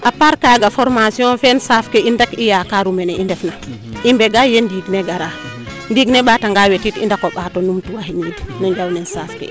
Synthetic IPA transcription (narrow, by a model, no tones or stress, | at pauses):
ʔapaɾkaɡafɔɾmasiɔnfɛnsafkɛʔindakijakaɾumɛnɛʔindɛfna | ʔimbɛɡajendiɡnɛɡaɾa | ndiɡnɛɓataŋɡawetitḭndakɔɓatɔnumtuwahinidinɔɲd͡ʒawnɛnsafkɛ̰